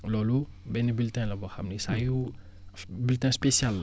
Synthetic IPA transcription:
lɔlubɛnibiltɛ̃lɐbɔxɐmnisaːju | biltɛ̃spesjal

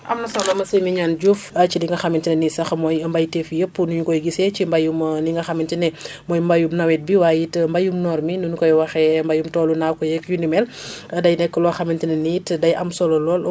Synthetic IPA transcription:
ʔɐ̰mnɐsɐmɐmɐsimiɲaːnd͡ʒufɐt͡ʃiniŋɡɐxɐmintinɛnisɐxmɔjmbɐjtɛfjəpːunuɲukɔjɡisɛcimbɐjumniŋɡɐxɐmintinɛ | mɔːjmbɐjumnɐwɛt̚biwaːjitmbɐjumnɔːɾminunkɔjwɐxɛmbɐjumtɔːlunakɔjɛkjundimɛlɐdɐjnɛkːəlɔxɐmintinɛnitdɐjʔɐmsɔlɔlɔːl

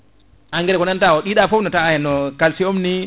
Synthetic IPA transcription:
ʔaŋɡɛɾɛkɔnantawɔɗiɗafɔnɔtajɛnɔkalsiomni

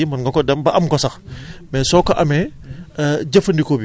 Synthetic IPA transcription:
imɐnɡɐkɔdɐmbɐʔɐmkɔsɐxmɛsɔkɐʔɐmɛ | ɟɐfəndikɔbi

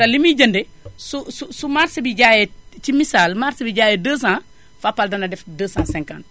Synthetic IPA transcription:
ɐlimiɟɐndɛ | sususumaɾsibiɟajɛt͡ʃimisaːlmaɾsbiɟaːjɛdəːsãː | fapːaldɐnɐdɛfdəːsãːsɛ̃ŋka̰nt

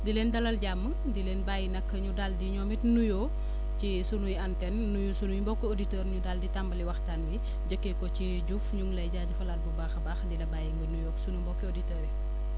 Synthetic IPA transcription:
dileːndɐlɐlɟamːə | dileːnbaːjinɐkːəɲudaldiɲɔːmitnujoː | t͡ʃisunujɐntɛnːujusunujmbɔkːioditɛːɾɲudalditambɐliwɐxtaːnbi | ɟəkːekɔt͡ʃi | ɟufɲuŋlɐjɟaːɟufɐlaːt̚bubaːxɐbaːxdilɐbaːjiŋɡɐnujɔːksunumbɔkːioditɛːɾi

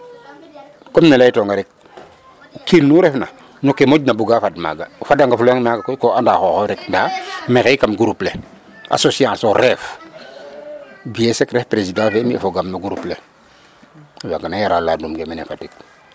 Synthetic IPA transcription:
komnelaitoŋɡaɾɛk̚ | ukilnuɾɛfna̰ | nokːemoɟnabuɡafadma̰ɡafadaŋɡafulŋmaɡakojkoandaxoxoɾɛk̚ndamexejkamɡuɾuple | ʔa̰sosiãsoɾɛf | biesekɾɛfpɾesidãːfemia̰foɡamnaɡuɾuple | waɡanajaɾaladumɡemenḛfatik̚

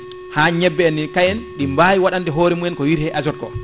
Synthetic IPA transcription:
haːɲɛbːɛɛnːikajɛnɗimbaːjiwaɗandɛɦoːɾɛmujɛnkɔwiɾhɛʔad͡ʒɔt̚kɔ̰

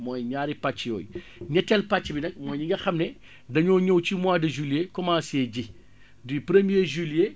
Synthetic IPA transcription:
mɔːjɲaːɾipat͡ʃːijɔ̰ːj | ɲɐtɛlpat͡ʃːbinɐk̚mɔːjɲiŋɡɐxɐmnɛ | dɐɲɔːɲowcimwaːdɐʒyljekɔmãːseːɟi | dipɾemjeʒylje

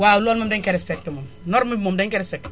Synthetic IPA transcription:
waulolmomdeŋkeɾɛspɛk̚temom | noɾmimomdɛŋkeɾɛspɛk̚t

